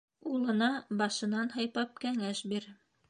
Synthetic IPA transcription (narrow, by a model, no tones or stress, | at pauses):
ulˠɤ̆nɑbɑʃɤ̆nɑnhɑjpɑp̚kæŋæʃbiɾ